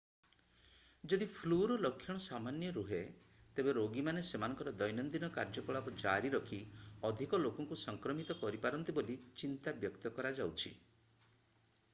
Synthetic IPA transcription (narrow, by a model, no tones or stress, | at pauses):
d͡ʒɔd̪ipʰluɾɔlɔkʰːjɔɽ̃ɔsamanjɔɾuɦe | t̪ebeɾoɡimanesemanɔ̃ŋkɔɾɔd̪ɔjnɔnd̪inɔkaɾd͡ʒɔkɔɭabɔd͡ʒaɾiɾɔkʰiɔd̪ʱikɔlokɔŋkusɔŋkɾɔmit̪ɔkɔɾipaɾɔnt̪ibolit͡ʃint̪abjɔkt̪ɔkɔɾad͡ʒawt͡ʃʰḭ